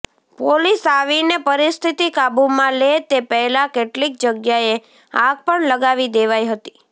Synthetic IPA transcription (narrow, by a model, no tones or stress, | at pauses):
polisaʋinepəɾist̪ʰit̪ikabumãlet̪epəɦɛlãkeʈlik̚d͡ʒəɡjae | ãɡ̚pəɳləɡaʋid̪eʋajɦət̪i̥